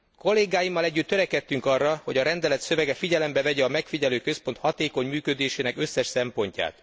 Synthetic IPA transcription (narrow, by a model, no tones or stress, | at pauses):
ko̞lːeːɡaːjimːɒlɛɟːyt̪ːøɾɛkɛt̪ːyŋkɒrːɒho̞ɟɒɾɛnd̪ɛlɛt̪sø̞vɛɡɛfiɟɛlɛmbɛvɛɟɛɒmɛkfiɟɛløːkø̞spo̞nt̪hɒt̪eːko̞ɲmyːkød̪eːʃeːnɛkø̞sːɛʃsɛmpo̞ɲca̰ːt̪